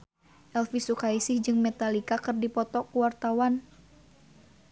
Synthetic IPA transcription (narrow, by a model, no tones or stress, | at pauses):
ʔɛlfisukaisɪhd͡ʒɨŋmɛt̪alikakɨrdipɔt̪ɔkuwart̪awan